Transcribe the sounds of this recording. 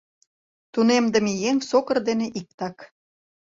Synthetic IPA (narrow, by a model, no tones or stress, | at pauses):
t̪unemd̪ə̆mijeŋsokə̆rd̪eneʔik̚t̪ɑk